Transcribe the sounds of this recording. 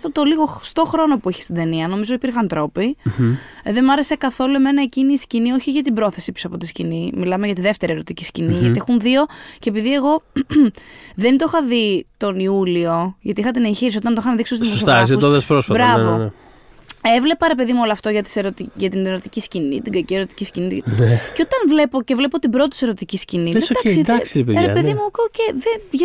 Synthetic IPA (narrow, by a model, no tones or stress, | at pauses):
t̪ot̪oliɣo̞xst̪o̞xɾo̞no̞puiçe̥st̪id̪e̞niɐno̞mizoipiɾxɐnt̪ɾo̞pi | ðe̞mɐɾe̞se̞kɐθo̞lueme̞nɐeciniscinio̞çiʝɐt̪ibɾo̞θe̞sipisoɐpo̞t̪iscinimilɐmeʝɐt̪iðeft̪e̞ɾie̞ɾo̞t̪icisciniʝɐiexunðio̞ceepiðie̞ɣo̞ | ðe̞nt̪oxɐðit̪o̞niulio̞ʝɐt̪ixɐt̪inençiɾis̬ot̪ɐnt̪oxɐnðikst̪ust̪imosoɾɐsusoðɐspɾosfɐtbɾɐvo | evle̞pɐɾe̞pe̞ðimuo̞loɐft̪oʝɐt̪i̥seɾot̪iʝɐt̪ineɾot̪iciscinit̪iɡɐcieɾo̞t̪i̥ciscinit̪ceot̪ɐnvle̞po̞ce̞vlepo̞t̪ibɾot̪it̪ise̞ɾo̞t̪iciscinied̪ɐksid̪ɐksiɾepeɾepeðimuokːceðeʝ